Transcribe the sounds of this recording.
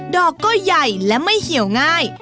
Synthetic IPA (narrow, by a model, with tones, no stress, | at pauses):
dɔː˨˩kːɔː˥˩ja˨˩jlɛ˦˥ma˥˩jhi˩˦əwŋaː˥˩j